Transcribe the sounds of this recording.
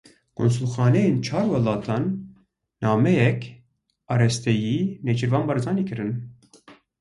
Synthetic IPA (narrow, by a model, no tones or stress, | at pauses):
kʰo̰ns̬ulxɑːnɛjeːnt͡ʃʰɑːɾwɑlɑːt̪ʰɑːnː | ɑːmɛjɛk | ɑɾɛst̪ɛjiːnet͡ʃɨɾvɑːnbɑɾzɑːniːkʰɨɾɨn